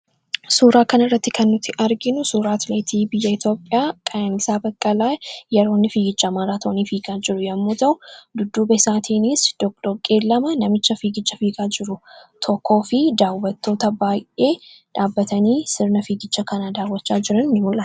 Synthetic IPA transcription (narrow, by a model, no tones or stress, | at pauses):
suːɾaːkɐnɪrːɐt̪ːɪkʰɐnːʊt̪ʰːɪʔɐɾɡɪnʊsuːɾaːt̪leːt̪ʰiːbɪjːɐɪt̪ʰjo̞ːpʼːɪaːkʼɐjanɪsaːbɐkʼːɐlaːjjɛɾoːnːɪfiːɡɪt͡ʃːɐmaːɾaːt̪ʰoːnifiːkʼaːd͡ʒɪɾʊjɐmːoːt̪ɐʊd̪ʊd̪ːuːbɐɪsaːt̪ʰiːniːsd̪̥ɔkd̪ɔkʼeːlːɐmɐnɐmɪt͡ʃːɐfiːɡɪt͡ʃːɐfiːkʼaːd͡ʒɪɾʊt̪ʰɔkːo̞ːfɪd̪aːwːɐt̪ʰːo̞ːt̪ɐbaːjʔeːᶑaːbːɐt̪ɐniːsɪɾnɐfiːɡɪt͡ʃːɐkɐnaːd̪aːwɐt͡ʃːaːd͡ʒɪɾɐnnɪmʊlʔɐ